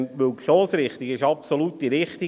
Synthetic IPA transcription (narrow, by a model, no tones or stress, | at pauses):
nʋøtʃoːsɾɪχt̪iɡɪʃɑpsolutːiɾɪχt̪i